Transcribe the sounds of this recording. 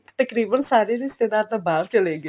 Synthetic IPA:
t̪əkɾiːbənsaːɾeːɾɪst̪eːd̪aːɾd̪aːbaːɾt͡ʃəleːɡe

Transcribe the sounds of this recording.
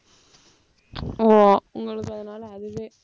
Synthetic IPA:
oʊŋɡɐɭɯkːɐðɯnaːlɐðɨʋɨ

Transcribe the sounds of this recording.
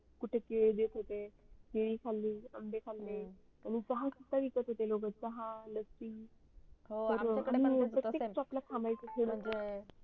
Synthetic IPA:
kuʈʰekeɭed̪et̪ɦot̪ekeɭikʰalːiamɖekʰalːe | añit͡səɦãsut̪ːaʋikət̪ɦot̪eloɡət̪̚t͡səɦãləsi | t̪əɾamipɾək̪ekt͡ɕɔplakʰãmajt͡sək̪ʰeɽte

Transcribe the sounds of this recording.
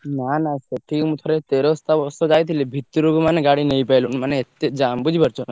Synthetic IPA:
nanaset̪ʰimut̪ʰɔɾet̪eɾost̪abɔsɔd͡ʒajt̪ʰilebʱit̪ːuɾukumaneɡaɽinejpajlunmaneːt̪ːed͡ʒambud͡ʒʱipəɾt͡ʃʰɔna

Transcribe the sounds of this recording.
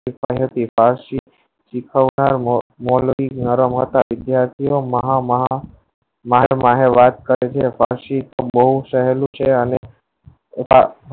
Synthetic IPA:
ifaiɦət̪ifaɾʃi | t͡ʃikʰəʋnaɾmolinəɾəmɦət̪aʋɪd̪jaɾt̪ʰijoməɦamɦ | maɦɾmaɦeʋat̪̚kəɾet͡ʃʰefa̰ɾʃit̪obəɦuʃəɦelũt͡ʃʰeəne | a

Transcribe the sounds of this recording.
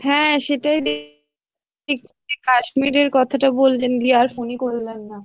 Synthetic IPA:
hɛ̃ʃeʈajd̪e | ik̚t͡ɕʰeekaʃmiɾeɾkɔt̪ʰaʈabollend̪iaɾfonikolːenːa

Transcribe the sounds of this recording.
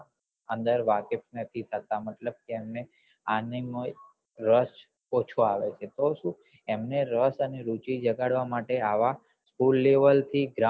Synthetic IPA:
ənd̪əɾʋakep̚nət̪ʰit̪ʰət̪aməʈ̪ləb̚keːmne | anim | ɾəʃ | ot͡ʃʰoaʋet͡ʃʰet̪oʃũ | emneɾəsəneɾut͡ʃid͡ʒəɡaɽʋamaʈeaʋa | skulːeʋəlt̪ʰiɡɾa

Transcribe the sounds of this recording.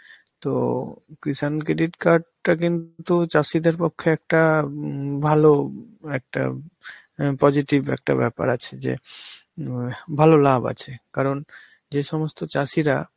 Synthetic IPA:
t̪okɾiʃankɾeɖiʈkaɾɖʈakint̪t̪ut͡ɕaʃid̪eɾpokʰːeɛk̚ʈa | bʱaloɛk̚ʈa̰ | pɔd͡ʑiʈibɛ̰k̚ʈa̰bɛpa̰ɾat͡ɕʰed͡ʑḛ | bʱalolaba̰t͡ɕʰekaɾon | d͡ʑeʃɔmost̪ot͡ɕaʃiɾa

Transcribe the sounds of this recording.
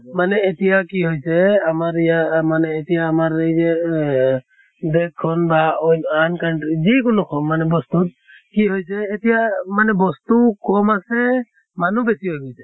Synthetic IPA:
manɛetijakiɦojsɛamaɹijamanɛːtijaːmaɹejzɛ | dɛkʰːɔnbaɔjnankanzik̬ʊnʊkʰɔmːanɛbɔst̪ut̚ | kiɦojsɛːtijamanɛbɔst̪ukɔmasɛ | manubɛsiɦojkɔjsɛ̥

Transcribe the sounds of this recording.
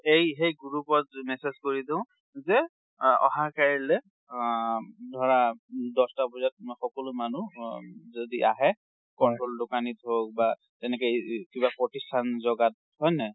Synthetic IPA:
ejxejɡuɹupɔtmɛsezkoɹidɪ̃ʊ̃ | zɛ | ɔ̰ɦakaɹilɛ | dʱɔɹadɔstabɔzat̚xɔkɔlʊmanuzodiʔa̰ɦɛ | kɔntɹoldʊkanitɦok̚ba | tɛnɛkɛkibapɹɔtistʰanzɔɡat̚ | hɔjnɛ

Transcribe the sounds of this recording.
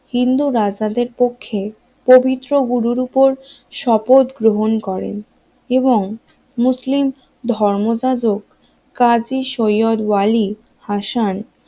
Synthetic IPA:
hind̪uɾad͡ʑad̪eɾpokʰːe | pobit̪ːɾoɡuɾuɾupoɾʃɔpot̪ɡɾoɦonkɔɾḛn | eboŋ | muslim | d̪ʱɔɾmod͡ʑad͡ʑoɡ | kːad͡ʑiʃojod̪wali | haʃan

